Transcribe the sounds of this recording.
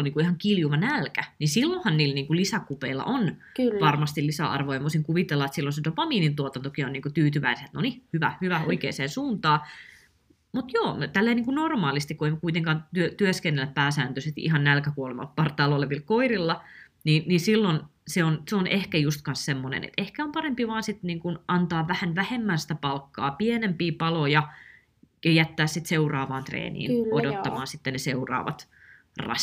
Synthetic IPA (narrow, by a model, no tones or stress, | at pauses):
oniːŋkuihɑŋkiljuʋɑnælkænisilːohɑnniːlniːŋkulisækupeilːɑ̰ʔon | ʋɑrmɑst̪illisæ̰ɑ̰rʋojɑʋoisiŋkuʋit̪elːɑet̪silːonsent̪opɑmiːnint̪uot̪ɑnt̪okioniːŋkut̪yːt̪yʋæ̰iset̪nonihyʋæ̰hyʋæoikḛːseːnsuːnt̪ɑː | mut̪joːt̪ælːeiniːŋkunormɑːlist̪ikueimkuit̪eŋkɑːnt̪yøt̪yøskenːelːæppæːsæːnt̪øset̪ʔihɑnnælkækuolemɑ̰lppɑrt̪ɑˑːloleʋilkoirilːɑ | niːnninsilːonseonseonʔehkæjust̪kɑnssemːonḛnḛt̪ehkæompɑrempiʋɑːnsit̪niːŋkunʔɑnt̪ɑːʋʋæhænʋæhemːænsi̥t̪æpɑlkːɑ̰ːpienempiːpɑlojɑ | jɑjæt̪ːæːssit̪seurɑːʋɑːnt̪rḛːnḭːnodot̪ːɑmɑːnsit̪ːeneseurɑ̰ːʋɑ̰t̪ | rɑ̰